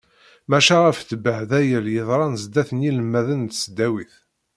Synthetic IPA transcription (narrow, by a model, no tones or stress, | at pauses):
mæʃæʁæfθbəʕðæjəɾjəðˤɾˤɑnzd̪æθəniləmːæðənt̪səd̪æwiθ